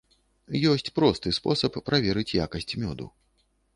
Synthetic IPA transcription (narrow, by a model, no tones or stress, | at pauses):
jɔsʲt͡sʲpɾɔst̪ɨspɔsɐpːɾavʲɛɾɨt͡sʲjakɐsʲt͡sʲmʲɔd̪ṵ